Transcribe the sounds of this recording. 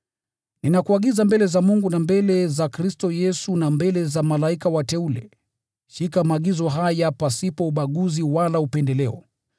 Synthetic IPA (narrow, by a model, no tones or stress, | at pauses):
ninakuaɠizambɛlɛzamuŋɡunambɛlɛzakɾistɔjɛsunambɛlɛzamalaikawatɛulɛ̰ | ʃikamaːɠizɔɦajapasipɔuɓaɠuziwalaupɛndɛlɛɔ̰